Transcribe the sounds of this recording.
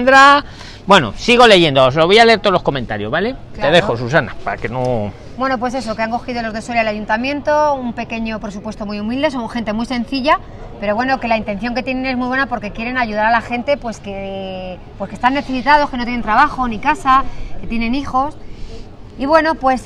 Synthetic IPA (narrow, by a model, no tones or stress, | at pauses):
nd̪ɾa | bwe̞no̰siɣ̞o̞le̞ʝend̪oos̬loβojale̞eɾt̪olo̞sko̞mẽnt̪aɾjo̞zβale̞k̪eðexos̬us̬anapaakeno | bwe̞no̞p̬we̞s̬e̞so̞keaŋko̞xiðo̞lo̞zðe̞swelilaʝunt̪amjẽ̞nt̪o̞umpe̞ke̞ɲo̞pɾe̞supwest̪o̞mijumild̪e̞s̬o̞ŋxe̞nt̪e̞muijsẽ̞n̟θiʝa | pe̞ɾo̞βwe̞no̞ke̞laint̪e̞n̟θjo̞ŋk̬e̞t̪je̞ne̞ne̞zmujβwe̞napo̞ɾke̞kjeɾe̞naʝuðaɾalaxe̞nt̪e̞pwe̞ske̞ | pwoe̞skest̪anːe̞θesit̪að̞o̞ske̞not̪jennt̪ɾaβaxo̞nikasake̞t̪je̞ne̞nixo̞s | iβwe̞no̞pwe̞s